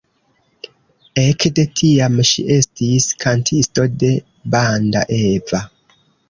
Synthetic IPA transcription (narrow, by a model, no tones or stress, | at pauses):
ekde̞tʰiamʃḭʔe̞stiskʰantʰisto̞de̞ | banda̰ʔeva